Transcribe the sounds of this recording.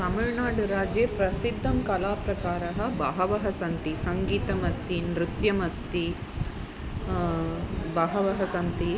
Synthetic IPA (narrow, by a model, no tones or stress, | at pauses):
tɐmɐɻnaːɽuɾaːd͡ʒeːpɾɐsid̪ʱːɐmkɐlaːpɾɐkaːɾɐɦɐ̆bɐːɦɐʋɐɦɐsɐnt̪isɐŋɡiːt̪ɐmɐst̪inɾut̪jɐmɐst̪i | bɐːɦɐʋɐɦɐsɐnt̪i